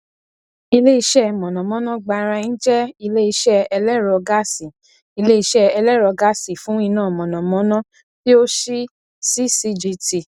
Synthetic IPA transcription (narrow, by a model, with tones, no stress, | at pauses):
i˧le˦i˧ʃɛ˦mɔ̃˨nɔ̃˨mɔ̃˨˦nã˦ɡ͡ba˧ɾa˧n̩˦d͡ʒɛ˦i˧le˦i˧ʃɛ˦ɛ˧lɛ˦ɾɔ˧ɡa˦si˨ | i˧le˦i˧ʃɛ˦ɛ˧lɛ˦˨ɾɔ˧ɡa˦si˨fũ˨˦i˧nãː˦˨mɔ̃˨nɔ̃˨mɔ̃˨˦nɔ̃˦ | ti˦o˦ʃi˦ | si˦si˦d͡ʒi˧ti˨